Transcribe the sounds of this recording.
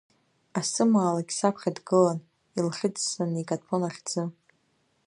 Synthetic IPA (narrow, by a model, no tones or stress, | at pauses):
asɨmaːlaɡʲsapʷʰχʲadɡɨlan | ilχʲɪd͡zsanikʼatʰonaχʲd͡zɨ